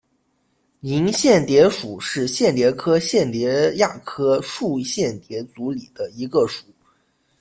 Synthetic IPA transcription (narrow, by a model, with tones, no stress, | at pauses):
ni˧˥ŋɕjɛ˥˩nt̪jɛ˧˥ʂu˨˩ʂɻ̩˥˧ɕjɛ˥˩nljɛ˧˥kʰɤ˥ɕjɛ˥˩nljɛ˧˥ja˥˩kʰɤ˥ʂu˥˧ɕjɛ˥˩nt̪jɛ˧˥t͡su˧˥li˨˩d̪̥ə˦i˧˥ɡə˧ʂu̥˨˩˦